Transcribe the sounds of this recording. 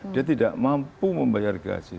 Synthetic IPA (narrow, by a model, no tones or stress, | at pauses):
diat̪̬idaʔmampuməmbajarɡa̰sɪ